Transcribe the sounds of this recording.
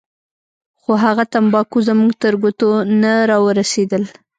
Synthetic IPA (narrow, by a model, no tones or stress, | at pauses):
xoɦaɣat̪ambɑkuzəmuɡt̪əɾɡot̪onaɾɑwəɾased̪əl